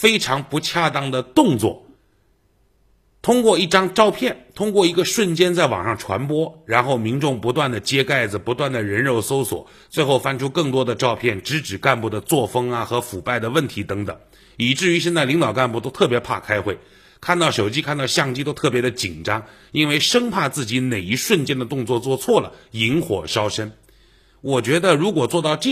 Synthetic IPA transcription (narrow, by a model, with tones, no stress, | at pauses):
fe˥ɪʈ͡ʂʰɑ˧˥ŋpu˧˥t͡ɕʰja˥˧t̪ɑ˥˩ŋd̪ə˨t̪ʊ˥˧ŋt͡swɔ̰˥˩ | t̪ʰʊ˥ŋkwɔ˥˧i˥˩ʈ͡ʂɑ˥ŋʈ͡ʂɑ˥˧ʊpʰjɛ˥˩nt̪ʰʊ˥ŋkwɔ˥˩i˧˥ɡə˧ʂwə˥˩nt͡ɕjɛ˥nt͡sa˥˩ɪwɑ̰˨˩ŋʂɑ˥˩ŋʈ͡ʂʰwa̰˧˥npwɔ˥ɻa˧˥nxo˥˩ʊmi˧˥ŋʈ͡ʂʊ˥˩ŋpu˧˥t̪wa˥˩nd̪ə˩t͡ɕjɛ˥ka˥˩ɪd͡zɹ̩˩pu˧˥t̪wa˥˩nd̪ə˩ɻə˧˥nɻo˧˥ʊso˥ʊswɔ̰˨˩˦ | t͡swe˥˧ɪxo˥˩ʊfa˥nʈ͡ʂʰu˥kɤ˥˩ŋt̪wɔ˥d̪ə˨ʈ͡ʂɑ˥˧ʊpʰjɛ˥˩nʈ͡ʂɻ̩˧˥ʈ͡ʂɻ̩˨˩ka˥˧npu˥˩d̪ə˩t͡swɔ˥˩fɤ˥ŋɐ˨xɤ˧˥fu˨˩pa˥˩ɪd̪ə˩wə˥˩nt̪ʰi˧˥t̪ɤ˧˥ŋt̪ɤ̰˨˩˦ŋ | i˨˩ʈ͡ʂɻ̩˥˩y˧˥ʂə˥nt͡s̪a˥˩ɪli˧˥ŋt̪ɑ˨˩ʊka˥˧npu˥˩t̪o˥ʊt̪ʰɤ˥˩pjɛ˧˥pʰa̰˥˩kʰa˥ɪxwe˥˩ɪ | kʰa˥˧nt̪ɑ˥˩ʊʂo˨˩ʊt͡ɕi˥kʰa˥˧nt̪ɑ˥˧ʊɕjɑ˥˧ŋt͡ɕi˥t̪o˥ʊt̪ʰɤ˥˩pjɛ˧˥d̪ə˧t͡ɕi˨˩nʈ͡ʂɑ˥ŋ | i˥nwe˥˩ɪʂɤ˥ŋpʰa˥˧t͡sɹ̩˥˩t͡ɕi˧˥ne˨˩ɪi˧˥ʂwə˥˧nt͡ɕjɛ˥˧nd̪ə˩t̪ʊ˥˧ŋt͡swɔ˥˧t͡swɔ˥˧t͡sʰwɔ˥˩lə̰˩i˧˥nxwɔ̰˨˩ʂɑ˥ʊʂə˥n | wɔ˨˩t͡ɕɥɛ˧˥d̪ə˧ɻu˧˥kwɔ˨˩t͡swɔ˥˧t̪ɑ˥˧ʊʈ͡ʂ